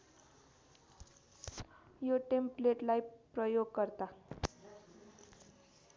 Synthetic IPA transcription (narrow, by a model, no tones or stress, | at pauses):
joʈempleʈlajpɾəjoɡkəɾt̪a